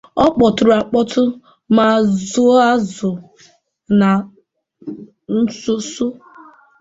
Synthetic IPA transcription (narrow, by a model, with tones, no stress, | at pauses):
ɔ˦k͡pɔ˨tʊ˨ɾʊ˨a˨k͡pɔ˦tʰʊ˦ | ma˨zʊ˦a˦zʊ˨ | na˨ | n̩˦sʊ˦sʊ˦